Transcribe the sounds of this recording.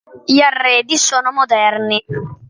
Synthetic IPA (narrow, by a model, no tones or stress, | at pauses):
ʎiarːɛːd̪isoːnomod̪ɛrni